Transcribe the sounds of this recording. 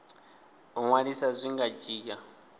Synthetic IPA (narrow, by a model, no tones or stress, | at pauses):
ɔŋwaɺisazʷiŋɡad͡ʒiːka